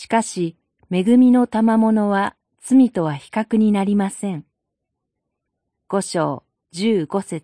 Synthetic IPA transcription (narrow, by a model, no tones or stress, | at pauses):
ɕi̥kaɕi | me̞ɡɯ̟mʲino̞t̪amamo̞no̞βa | t͡sɨmʲit̪o̞βaçi̥kakɯ̟ɲ̟inaɾʲimasẽ̞ŋ | ɡ̥o̞ɕo̞ː | d͡ʑɨːɡo̞se̞t͡s